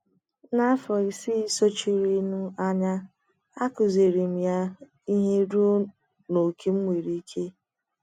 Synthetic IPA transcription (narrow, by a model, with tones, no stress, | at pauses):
na˦fɔ˨i˨si˦˨so˦t͡ʃi˨ɾi˦nu˦a˦ɲa˦ | a˦kʊ˨ze˨ɾi˨m̩˨ja˦ | i˦ɦe˦ɾu˦o˦ | no˨ke˦m̩˦mʷe˨ɾi˦kʰe˦